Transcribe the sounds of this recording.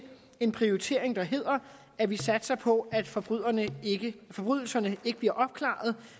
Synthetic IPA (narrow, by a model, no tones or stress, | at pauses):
e̝npʰʁio̝it͡sʰe̝ɐ̰e̝ŋd̥ɑ̈ɦe̝ð̞̰ˠɐ | æʋisæd̥sɐpʰɒ̽æd̥fɒb̥ð̰ˠɐnəɡ̥əfɒ̽b̥ʁy̰ð̞̰ˠl̩sɐnəe̝ɡ̥əb̥liɐʔɒ̽b̥̚kʰlɑ̰̈ð̞̩ˠ